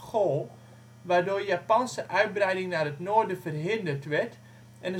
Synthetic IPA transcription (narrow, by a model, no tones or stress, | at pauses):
xolˠ | ʋaːrdoːrjapɑnsəʔœɥt̚brɛjdɪŋnaːrətnoːrdəfərɦɪndərtʋɛrt | ʔɛnə